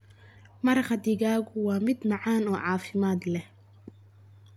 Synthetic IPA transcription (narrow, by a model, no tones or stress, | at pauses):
mɐɾɑχɐd̪ɪɣaːɣʊwaːmɪd̪mɑʕaːnɔːʕɑːfɪmaːd̪lɛh